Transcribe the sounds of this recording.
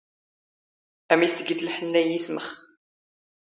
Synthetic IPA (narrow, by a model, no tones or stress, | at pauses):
æmist̪əɡit̪lħənːæjisməχ